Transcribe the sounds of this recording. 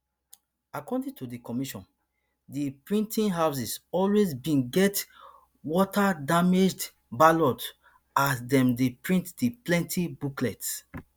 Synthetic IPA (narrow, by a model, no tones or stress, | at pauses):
akɔdĩŋtʰudikɔmiʃɔ̰̃n | dipɹĩntʰĩnɦaʊs̬isɔlwezbĩnɡɛt | wɔtadamed͡ʒd | balɔd | asdɛ̃mdepɹĩntdiplɛ̃ntʰibuklɛts